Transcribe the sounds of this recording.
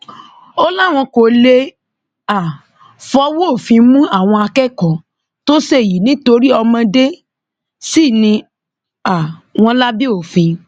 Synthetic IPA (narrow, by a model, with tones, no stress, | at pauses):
o˦la˦˨w̃ɔ̃˧ko˨le˧ | a˨ | fɔ˨˦wo˦o˦˨fĩ˧mũ˦a˦˨w̃ɔ̃˧a˧kɛ˦˨kɔ̃˨ | to˦se˦˨ji˨˦nĩ˨˦to˧ɾi˦ɔ˧mã˧de˦ | si˦˨nĩ˧ | a˨w̃ɔ̃˧la˦bi˦o˦˨fĩ˧